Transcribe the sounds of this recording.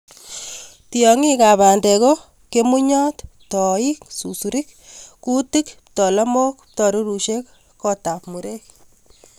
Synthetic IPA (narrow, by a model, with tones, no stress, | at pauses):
tijɔ˨ŋi˦ka˨βa˨nde˨ko | ke˦mu˦ɲɔ˦t̪ptɔ˨i˦ksu˨su˨ɾik | ku˦ti˦kptɔ˨la˦mo˦kptɔ˨ɾu˦ɾu˨ʃek | kɔ˦ta˨pmu˨ɾek̚